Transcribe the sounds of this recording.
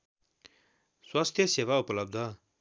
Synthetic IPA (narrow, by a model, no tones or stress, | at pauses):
swast̪ʰjʌsewaupʌlʌb̚d̪ʱʌ